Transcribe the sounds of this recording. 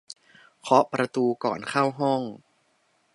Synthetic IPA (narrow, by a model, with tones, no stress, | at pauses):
kʰɔ˦˥ʔpɾa˧t̪uː˧kɔ̰ː˨˩nkʰa˥˩wɦɔ˥˩ŋ